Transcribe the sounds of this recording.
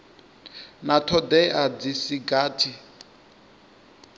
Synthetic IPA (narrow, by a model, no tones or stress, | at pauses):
natʰɔdɛʔad͡zisiɡaːtʰi